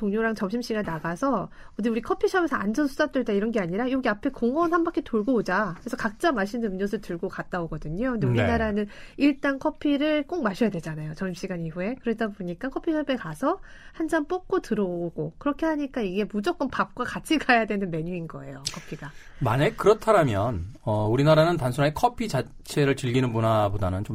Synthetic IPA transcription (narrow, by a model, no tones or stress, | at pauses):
toŋɲoɾaŋt͡ɕʌmɕʰimɕ͈iɡanːaɡasʰʌ | ʌdiuɾikʰʌpʰiɕʰʌbe̞sʰʌand͡ʑʌnsʰudat͈weɭdaiɾʌnɡe̞aɲiɾajoɡiapʰe̞koŋʌnhanmbakʰitoɭɡood͡ʑakɯɾesʰʌkak̚t͡ɕ͈amaɕʰinɯmɲʌs̬ʰɯɭtɯɭɡokat̚t͈aoɡʌdɯɲokʰɯndeuɾinaɾanɯniɭt͈ankʰʌpʰiɾɯɭk͈ok̚maɕʰʌjadwe̞d͡ʑanajot͡ɕʌmɕʰimɕ͈iɡaɲiɸue̞kɯɾedaboɲik͈akʰʌpʰiɕʰʌbe̞kasʰʌhand͡ʑanp͈ok̚k͈otɯɾoɡ̥okɯɾʌkʰe̞ɦaɲik͈aiɡe̞mud͡ʑok͈ɯnpap̚k͈wakat͡ɕʰiɡajadwe̞nɯnme̞ɲuinɡʌ̰e̞̰jokʰʌpʰiɡamanekɯɾʌtʰaɾamjʌnʌuɾinaɾanɯntansʰuɾaekʰʌpʰit͡ɕa | t͡ɕʰe̞ɾɯɭt͡ɕɯʎɡinɯnbonabodanɯnt͡ɕom